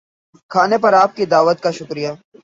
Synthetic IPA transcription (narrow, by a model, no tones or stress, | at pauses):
kʰaːnepɐɾaːp̚kid̪aːʋət̪̚kaʃʊkɾija